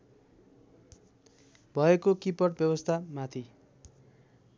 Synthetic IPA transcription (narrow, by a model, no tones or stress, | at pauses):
bʱʌekokipʌʈbjʌbʌst̪ʰamat̪ʰi